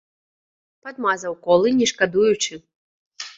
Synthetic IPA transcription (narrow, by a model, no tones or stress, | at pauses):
pad̪mazɐwkɔlˠɨnʲɛʂkad̪ujut͡ʂɨ